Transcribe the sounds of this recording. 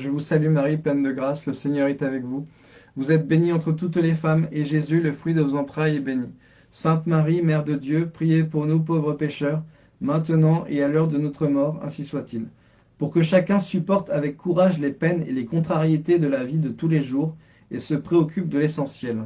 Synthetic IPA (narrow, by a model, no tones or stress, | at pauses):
ʒəvusalymaʁiplɛnd̪əɡʁasləseɲœʁɛt̪avɛkvu | vuzɛt̪̚beniɑ̃t̪χət̪ut̪lefameʒezyləfχɥid̪əvozɑ̃t̪χajɛbeni | sɛ̃t̪maʁimɛʁd̪əd̪jøpχijepuʁnupovʁəpeʃœʁ | mɛ̃t̪ənɑ̃ʔealœʁd̪ənɔt̪χəmɔʁɛ̰̃siswat̪il | puʁkəʃakʲɛ̃sypɔʁt̪avɛkːuʁaʒlepɛnḛlekɔ̃t̪χaʁjet̪ed̪əlavid̪ət̪uleʒuʁ | esəpχeɔkʲyp̚d̪əlesɑ̃sjɛl